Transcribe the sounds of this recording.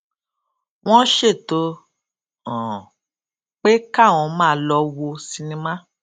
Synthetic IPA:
w̃ɔ̃˦ʃe˦˨to˧˦ | ɔ̃˨ | k͡pe˦ka˦˨w̃ɔ̃˧mãː˦lɔ˧wo˧si˧nĩ˧mã˦

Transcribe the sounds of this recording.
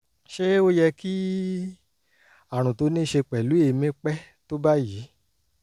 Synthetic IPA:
ʃe˦o˦jɛ˧ki˦ | a˨ɾ̃ũ˨to˧˦nĩ˦ʃe˧k͡pɛ˨lu˨˦e˧˨mĩ˦k͡pɛ˦ | to˦ba˦ji˨˦

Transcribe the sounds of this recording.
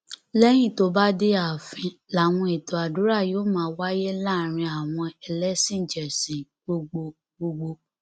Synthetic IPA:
lɛ˦j̃ĩ˦˨to˨˦ba˦de˦a˨fĩ˧la˨w̃ɔ̃˧e˨to˨a˨dũ˨˦ɾa˦˨joː˦mãː˨˦wa˦je˦laː˦˨ɾ̃ĩ˧a˨w̃ɔ̃˧ɛ˧lɛ˦sĩ˦˨d͡ʒɛ˨sĩ˨ | ɡ͡bo˧ɡ͡bo˧ | ɡ͡bo˧ɡ͡bo˧

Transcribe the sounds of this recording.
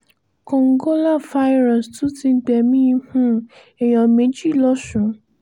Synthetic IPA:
ko˨ŋ˦ɡo˦la˦˨fa˧˦i˦ɾɔ˨stu˨˦ti˧˦ɡ͡bɛ˨˧˨mĩ˦ĩ˧hũ˦ | ɛ˨j̃ɔ̃˧mẽ˨˦d͡ʒi˦˨lɔ˦ʃũ˨˦

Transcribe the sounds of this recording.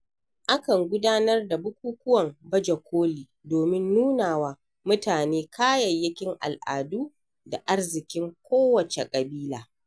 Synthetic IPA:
ʔa˦kɐ˨ŋɡʷʊ˦daː˦nɐ˦rda˨bʊ˦kʷuː˦kʷʊ˦wɐ˨mbɐ˦d͡ʒɐ˨kʷʰoː˦liː˨ | doː˨mɪ˦nːuː˦naː˨waː˦ | mʊ˦taː˨neː˦kʰaː˦jɐ˨jːɪ˦kʲɪ˦ŋʔa̰˨lʔa̰ː˨duː˦ | da˨ʔa˦rzɪ˨kʲɪ˦ŋkʷoː˦wɐ˨t͡ʃḛ˨kʼɐ˨biː˦laː˨

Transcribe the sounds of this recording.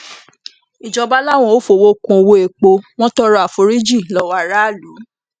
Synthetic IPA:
i˨d͡ʒɔ˨˧ba˦la˦˨w̃ɔ̃˦˨o˦fo˨wo˦kũ˧o˧wo˧e˨k͡po˧w̃ɔ̃˦tɔ˦ɾɔ˦a˨fo˨˦ɾi˦d͡ʒi˦˨lɔ˨˦wa˧˨ɾa˦˨lu˨˦

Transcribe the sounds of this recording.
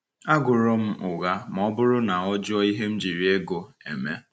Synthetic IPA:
a˦ɡʊ˨ɾʊ˦m̩˦ʊ˨ɣa˦m˨ɔ˦bʊ˦ɾʊ˦na˨ɔ˦d͡ʒɔ˦i˦ɦe˦m̩˦d͡ʒi˨ɾi˦e˦ɡo˨ḛ˨me˦

